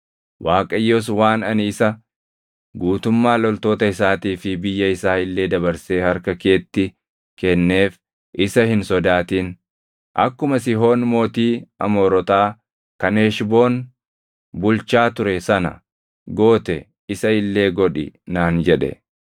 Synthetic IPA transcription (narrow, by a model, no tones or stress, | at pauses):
wʔaːkʼɐjːoːs̬waːnɐnɪɪsɐ | ɡuːt̪ʊmːaːlɔlt̪o̞ːt̪ɐɪsaːt̪iːfɪbɪjːɐɪsaːɪlːe̞ːd̪ɐbɐɾse̞ːhɐɾkɐke̞ːt̪ːɪ | kɛnːe̞ːf | ʔɪsɐhɪnsɔd̪aːt̪iːn | ʔɐ̰kːʊmɐsɪɦo̞ːnmo̞ːt̪iːɐ̰moːɾɔt̪aː | kɐneːʃbo̞ːn | bʊlt͡ʃaːt̪ʊɾɛsɐnɐ̰ | ɡo̞ːt̪ɛ | ɪsɐɪlːe̞ːɡɔᶑɪ̰naːnd͡ʒɛᶑɛ̰